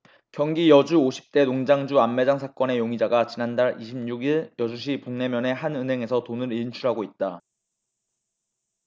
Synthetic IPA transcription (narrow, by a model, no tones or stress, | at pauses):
kjʌŋɡijʌd͡ʑuoɕʰi̥p̚t͈e̞noŋd͡ʑaŋd͡ʑuamːe̞d͡ʑaŋs̬ʰak͈ʌne̞joŋid͡ʑaɡat͡ɕinandaɾiɕʰib̚ɲuɡiɭjʌd͡ʑuɕ̬ʰipoŋne̞mjʌne̞ɦanɯnɦe̞ŋe̞sʰʌtonɯɾint͡ɕʰuɾɦaɡoit̚t͈a